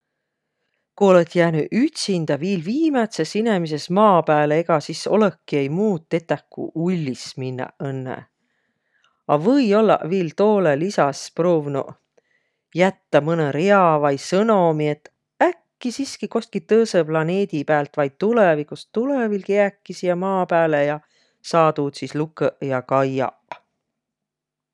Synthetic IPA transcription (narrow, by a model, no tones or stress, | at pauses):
kuo̞let̪jæːnyʔyt̪sind̪̥ɑviːlviːmet̪se̞sine̞mis̬e̞smɑːpæːleeɡɑsiso̞̰lekːie̞jmuːt̪ˑːe̞t̪ːˑækːṵulʲːisminːɑ̰enːḛ | ɑvɤjo̞lːɑ̰ʔviːlt̪o̞ːlelisɑsproːvnṵ | jæt̪ːɑmɤneɾeɑvɑjsɤno̞mie̞t̪ː | ækːisiskiko̞st̪̚kit̪ɤːseplɑne̞ːd̪̥ipæːlt̪vɑjd̪̥̚t̪ulevikust̪ulevilkeækˑːisijɑmɑːpæːlejɑ | sɑːt̪uːt̪sislukːəʔjɑkɑjɑ̰ʔ